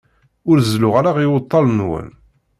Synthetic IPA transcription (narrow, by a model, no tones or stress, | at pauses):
ʊɾzlʊʁaɾaʁiwət̪ˤːɑlnwə̰n